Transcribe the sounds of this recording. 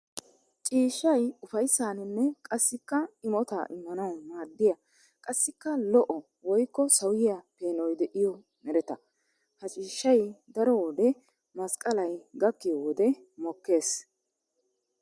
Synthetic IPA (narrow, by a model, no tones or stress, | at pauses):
t͡ʃʼiːʃːɐjʊfɐjsːaːnɪnːɛkʼɐsːɪkːɐɪmɔt̪a̰ːʔɪmːɐnɐwmaːd̪ːɪjɐ | kʼɐsːɪkːɐlɔʔɔ | wɔjkːɔsɐwɪjapeːnɔjd̪ɛʔɪjɔ | mɛɾɛt̪ɐ | hɐt͡ʃʼiːʃːɐjd̪ɐɾɔwɔd̪ɛ | mɐskʼɐlɐjɡɐkːɪjɔwɔd̪ɛ | mɔkːe̞ːs